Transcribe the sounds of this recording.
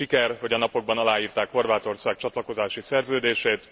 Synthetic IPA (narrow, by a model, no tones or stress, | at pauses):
ikɛrho̞ɟɒnɒpo̞ɡ̚bɒnɒlaːjiːrt̪aːkho̞rvaːt̪o̞rsaːk̚t͡ʃɒt̪lɒko̞zaːʃisɛrzøːd̪eːʃeːt̪